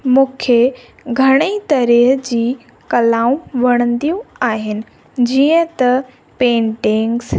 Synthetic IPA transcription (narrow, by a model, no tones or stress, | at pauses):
mũːkʰe | ɡʱɐɽ̃it̪ɐɾeɦd͡ʑiː | kɐlaːũʋɐɽ̃ə̃nd̪ijũaːɦɪnɪ̆ | d͡ʑiːə̃t̪ɐ | pẽːɳʈɪ̃ŋɡs